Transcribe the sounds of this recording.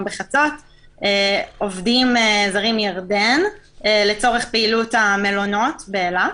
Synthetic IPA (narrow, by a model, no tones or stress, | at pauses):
beχat͡sot | eːovdimezaʁimjaʁden | le̞t͡so̞ʁeχpeilutamelono̞tbeela